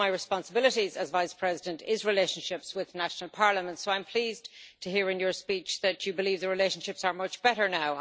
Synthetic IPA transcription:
aɪɹɨspɑ̃nsəbɪləɾizəzvaɪspʰɹ̥ɛzɪdə̃ntɪzɹɪleɪʃə̃n̩ʃɪpswɪðnaʃnəl̩ˠpʰɑɹləmə̃ntsoʊãɪ̃mpʰl̥iːztʰəɦiːɹɨ̃njə˞spit͡ʃðət͡ʃəbɪliːvðəɹɪleɪʃə̃n̩ʃɪpsə˞mʌt͡ʃb̥ɛɾə˞naʊ

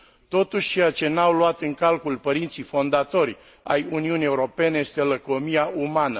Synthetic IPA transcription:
t̪o̞t̪uʃʲt͡ʃe̞jat͡ʃe̞nawluat̪ɨŋkalkulpəɾint̪sijfo̞nd̪at̪o̞rʲ | a̰juniunie̞uɾo̞pe̞ne̞je̞st̪eləko̞mijaʔumanə

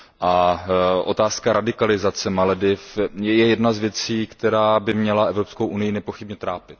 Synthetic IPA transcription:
ʔaʔo̞̰t̪aːskaɾʔadɪkalɪzat͡sɛmalɛdɪfjjɛjɛdnazvjɛt͡siːkt̪ɛɾaːbɪmɲɛlaʔɛvɾopskowʔunɪjɪnɛpo̞xɪbɲɛt̪ɾaːpɪt̪

